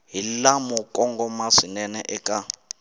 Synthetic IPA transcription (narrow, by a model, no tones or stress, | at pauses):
ɦilamɔkʼɔŋɡɔmaʂinɛnɛʔɛkʼa